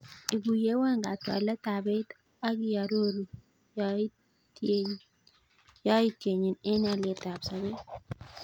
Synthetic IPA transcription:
i˨ɡu˨je˦wa˦ŋɡa˨twa̰˨lɛ˦ta˨bɛ˦t̪ | a˦ɡɪ˦ja˨ɾo˦ɾi˨ | ja˦ | ja˦i˦te˨ɲi˨nɛ˦na˨le˨ta˨bsa˨be˦t

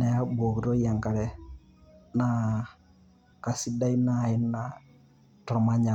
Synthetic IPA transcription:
nɛ˨ja˦bo˨ki˨ɾo˦ja˨ŋka˨ɾɛ˦ | na˨ | ka˨si˦da˦i˦na˦˨ɪ˦nːa˨ | tɾɔ˨ma˦ɲa˨

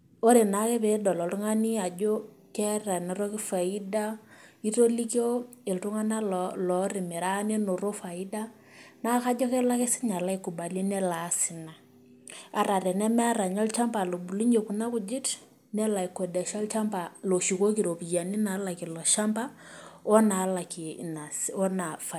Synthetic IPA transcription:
o˦ɾe˨na˨˦kɛ˦pe˨dɔ˨lɔ˨tu˦ŋa˦ni˦a˨d͡ʒo˦ | kɛ˦ra˨nɛ˨ɾɔ˦kɪ˦fa˨i˦da˦i˦to˦li˦kjo˦ | e˨ltu˦ŋa˦na˦llɔ˨rɪ˨mɪ˨ɾa˦ne˦no˨ɾo˦fa˨i˦da˦ | na˦ka˦d͡ʒɔ˦kɛ˦la˦ke˦sɪ̥˦ɲa˨la˦i˦ku˨ba˨lɛ˦nɛ˦la˨˦sɪ˨na˨ | a˨ɾa˨ɾɛ˨nɛ˦mɛ˦ɾa˨ɲɔ˦lt͡ʃa˦mpa˨lo˨bu˨li˦ɲo˨ku˨na˦ku˨d͡ʒɪ˦t | nɛ˦la˨i˨kɔ˨da˨ʃɔ˦lt͡ʃa˦mpa˨lo˨ʃi˨ko˦ki˨ɾo˨pi˨ja˨ni˦na˨˦la˨ki˨lɔ˨ʃa˦mpa˦ɔ˦na˨˦la˨ki˨na˨sɔ˦na˨fa˨

